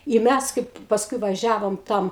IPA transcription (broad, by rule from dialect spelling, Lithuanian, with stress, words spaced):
ɪ ˈmʲæs ˈkɐɪp pɐsˈkʊɪ ʋɐˈʒʲæːʋoːm ˈtɐm